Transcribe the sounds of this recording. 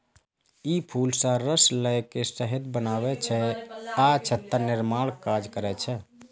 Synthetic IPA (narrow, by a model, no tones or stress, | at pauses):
ipʰulsə̃ɾəsləjkesəɦed̪bənaβɛt͡ʃʰɛat͡ʃʰət̪ːənɪɾmaɽkad͡ʒkəɾɛt͡ʃʰɛ